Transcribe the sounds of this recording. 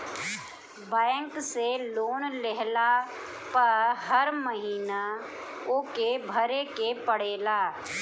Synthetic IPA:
bɛ̃ːŋkseloːnleɦla | pɐɾɦəɾməɦiːna | oːkebʱəɾekepəɽeːlaː

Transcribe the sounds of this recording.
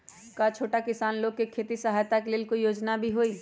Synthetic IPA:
kat͡ʃʰoːʈakɪsaːnloːɡ̚kekʰeːt̪isɐɦaːjt̪akelɪlkojoːd͡ʒnabʱiɦoːiː

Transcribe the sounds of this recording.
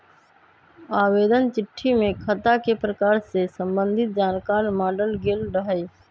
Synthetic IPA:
aːʋeːd̪ənt͡ʃɪʈʰːimẽkʰət̪akepɾəkaːɾsesə̃mbə̃nd̪ʱɪt̪̚d͡ʒaːnkaːɾmaːɖəlɡelɖəɦeː

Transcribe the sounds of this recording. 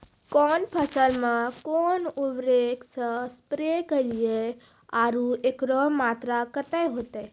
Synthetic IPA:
kɔːnpʰəsəlmãkonubɾeksə̃spɾekəlie | aːɾuekɾɔmaːt̪ɾakət̪ajɦot̪e

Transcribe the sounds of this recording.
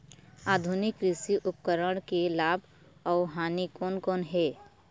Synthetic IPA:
aːd̪ʱʊnɪkɾɪsiʔʊpkəɾəɽ̃kelaːbʱ | ɔːɦaːnikoːnkoːnɦɛː

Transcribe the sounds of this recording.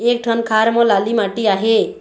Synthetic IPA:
ek̚ʈʰənkʰaɾmɔ̃lalimaʈiaɦe

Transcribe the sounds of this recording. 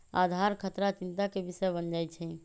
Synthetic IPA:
a̰d̪ʱaɾkʰət̪ɾat͡ʃint̪akebisəjbənd͡ʒajt͡ʃʰɛ

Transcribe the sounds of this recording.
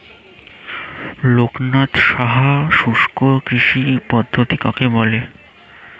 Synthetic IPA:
loknat̪ʃaɦaʃuʃkokɾiʃipɔd̪ʱːot̪ikakebɔle

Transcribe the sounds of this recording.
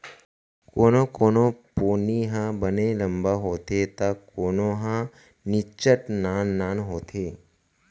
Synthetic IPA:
koːnokoːnopoːniɦãbənelə̃mbaɦoːt̪et̪akoːnõːɦã | nɪt͡ʃəʈnaːnːaːnɦoːt̪ʰeː

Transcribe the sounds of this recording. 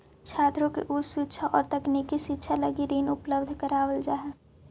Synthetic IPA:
t͡ʃʰaːt̪ɾõkḭʔʊsuːt͡ʃʰaʔɔːɾt̪ɐkniːkːiʃɪtːʃʰaləɡiɾiːnʊpləbd̪ʱkəɾaːwəld͡ʒaːɦɛː

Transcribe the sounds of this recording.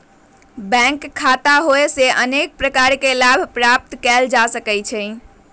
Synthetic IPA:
bɛ̃ŋkʰːat̪aɦoeseʔənek̚pɾəkaɾkelabʱpɾap̚t̪kɛld͡ʒasəkɛt͡ʃʰə

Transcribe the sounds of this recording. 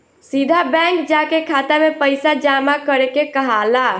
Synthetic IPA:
sid̪ʱabɛ̃ŋkd͡ʒakekʰat̪amepəjsad͡ʒamakəɾekekəɦala

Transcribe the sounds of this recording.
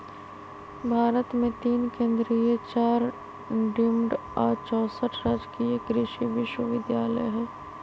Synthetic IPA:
bʱaːɾət̪mẽt̪iːnkẽːnd̪ɾiet͡ʃaːɾ | ɖɪmɖɔːɾt͡ʃɔːsəʈʰɾad͡ʒkiekɾɪʃiʋɪʃwəʋɪd̪jaːlə̰jɦɛ̃ː

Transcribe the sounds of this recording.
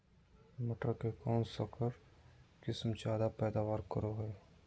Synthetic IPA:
mɐʈəɾkekɔːnsɔkəɾ | kɪsmt͡ʃaːd̪apɛːd̪aːwaːɾkəɾoɦɛː

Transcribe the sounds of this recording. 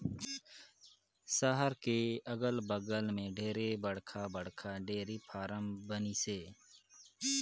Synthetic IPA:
saɦəɾkeːəɡəlbəɡəlmẽːɖʱeːɾebəɽkʰaːbəɽkʰaːɖeːɾiːpʰaːɾəmbəniːseː

